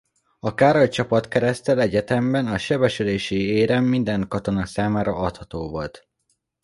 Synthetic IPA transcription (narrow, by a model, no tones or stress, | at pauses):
ɒkaːɾoct͡ʃɒpɒt̪kɛɾɛst̪ɛlɛɟɛt̪ɛmbɛnɒʃɛbɛʃyleːʃieːɾɛmːind̪ɛŋkɒt̪o̞nɒsaːmaːɾɒɒt̪hɒt̪oːvolt̪